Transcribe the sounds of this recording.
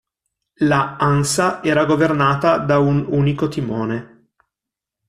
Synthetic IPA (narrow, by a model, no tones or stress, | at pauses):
laansaʔɛːɾaɡovernaːt̪ad̪aunuːnikot̪imoːne